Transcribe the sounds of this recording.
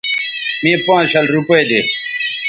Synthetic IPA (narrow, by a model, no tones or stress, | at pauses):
mĩːpãːɕɐlɾupejd̪e